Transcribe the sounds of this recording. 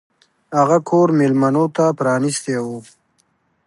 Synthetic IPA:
haɣakʰoːɾmelmanot̪apɾɑːnist̪ewo

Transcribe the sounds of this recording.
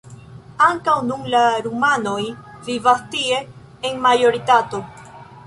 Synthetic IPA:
aŋkawnunlaɾumanojvivast̪ieː | ŋmajoɾit̪at̪o

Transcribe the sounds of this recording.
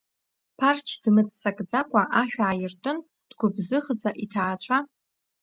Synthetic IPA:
pʰart͡ʃʰd̥mɨt͡sʼsʼakʼd͡zakʷʼaʔaʃᶣaʕajɪrtʼɨn | d̥ɡʷʊbzɨχd͡zaʔitʰaːt͡ɕʷʰʼa

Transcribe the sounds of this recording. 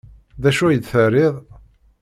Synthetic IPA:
ðæʃujəd̪θərːɪðˤ

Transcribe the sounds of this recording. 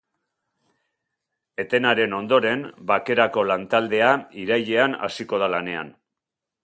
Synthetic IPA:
e̞t̪e̞naɾe̞no̞nd̪o̞ɾe̞mbake̞ɾako̞lant̪ald̪e̞aiɾajʎe̞ana̰siko̞ð̞alane̞a̰n

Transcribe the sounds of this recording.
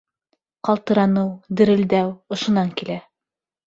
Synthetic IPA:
qɑlˠt̪ɤ̆ɾɑnɤwd̪ɘ̆ɾɘ̆ld̪æwŏʃŏnɑŋkilæ

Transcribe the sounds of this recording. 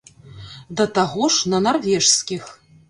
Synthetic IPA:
d̪ɐt̪aɣɔʂnɐnarvʲɛʂsʲkʲix

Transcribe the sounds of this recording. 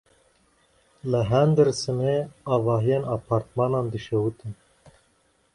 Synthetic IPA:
ləɦɛnd̪ɨɾsɨneɑːvɑːɦijeːnɑːpʰɑːɾt̪mɑːnɑːnd̪ɨʃewut̪ɨn

